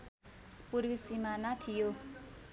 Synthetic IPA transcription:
purwisimanʌt̪ʰijo

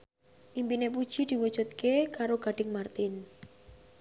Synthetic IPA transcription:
ʔimpinep̬ud̥ʒ̥id̪̥i̤wud̥d͡ʒ̥ṳt̪̚kekaɾoɡ̥a̤ɖ̥ɪ̤ŋmart̪ɪn

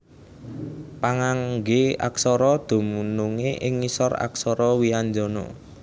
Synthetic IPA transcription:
paŋaŋɡea̰ksɔɾɔd̪̥o̤munuŋeʔɪŋːisɔra̰ksɔɾɔwiaɲd͡ʒɔnɔ̰

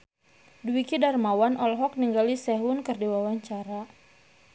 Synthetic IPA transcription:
duwikidarmawanʔɔlɦɔk̚niŋɡalisɛɦunkɨrdiwawaɲt͡ʃaɾa

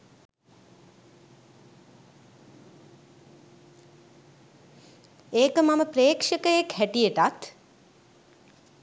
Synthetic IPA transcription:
eːkəmaməpɾeːkʂəkəjekhæʈijeʈat̪

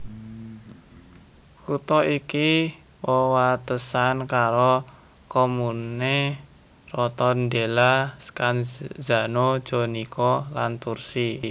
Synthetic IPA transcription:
kut̪ɔʔikiwɔwat̪əsankaɾo | komune | rɔt̪ɔnd̪elaskanza̤nod̥ʒ̥o̤nikɔlant̪ursi

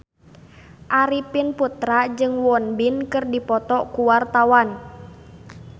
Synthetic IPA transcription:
ʔaɾipɪnput̪ɾad͡ʒɨŋwɔnbinkɨrdipɔt̪ɔkuwart̪awan

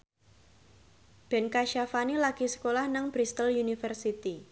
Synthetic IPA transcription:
b̥ɛ̤nkaʃafanilaɡ̥isə̥kolahnəŋb̥ɾist̪əljunifərsit̪i

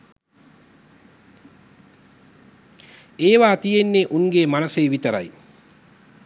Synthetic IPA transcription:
eːʋaːt̪ijenːeʔuŋɡeːmanɐseːʋit̪əɾa̰j

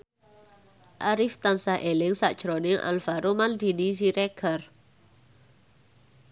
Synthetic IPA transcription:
ʔaɾift̪ansahʔelɪŋsa̰ʔd̥ʒ̥ɾonɪŋʔa̰lfaɾomand̪i̤nis̬iɾɛɡ̥ar

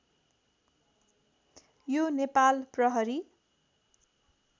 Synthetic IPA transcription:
jonepalprʌɦʌɾi

